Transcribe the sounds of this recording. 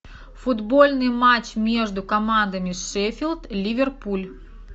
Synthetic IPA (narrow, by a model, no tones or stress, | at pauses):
fʊd̪bolʲnɨjmat͡ɕmʲeʐd̪ʊkɐmand̪ɐmʲɪʂɛfʲilʲˠt̪lʲivʲɛrpulʲ